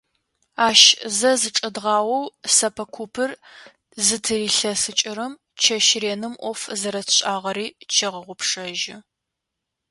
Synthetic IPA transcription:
aːʃzɐzɨʈ͡ʂʼɐdʁɑːwɐwsɐpʰɐkʷʰupʰɨr | zɨtʰɨriːɬɐsɨt͡ʃʼɪɾɨm | t͡ʃʰɐʃreːnɨmʔʷɔfzɐɾɐtʰɕʼaːʁɐɾiːt͡ʃʰɐʁəʁʷʊpʂɐʒɪ

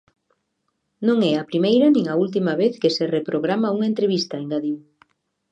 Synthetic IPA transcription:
nõŋɛapɾimejɾɐnĩŋault̪̬imaβeθkeserepɾoɣɾamauŋaent̪ɾeβ̞ist̪ɐeŋɡaðiw

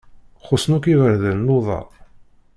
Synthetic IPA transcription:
χʊsnukivəɾðənnoðˤɑ̰

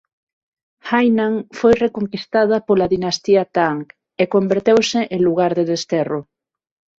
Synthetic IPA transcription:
xajnaŋfojrekoŋkist̪að̞apolaðinast̪iat̪aŋk | ekombeɾt̪ewsɪʔeluɣaɾðeðest̪ero

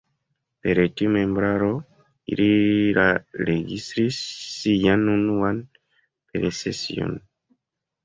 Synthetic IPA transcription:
peɾetiomẽmbɾaɾo | ḭɾiɾaɾeɡistɾisːijanunuan | peɾesesḭo̰n

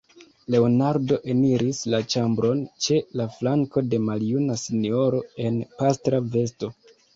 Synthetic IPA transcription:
le̞onaɾdo̞ʔe̞niɾislat͡ʃambɾo̞nt͡ʃe̞laflaŋko̞de̞maljunasinio̞ɾo̞e̞npastɾave̞sto̞

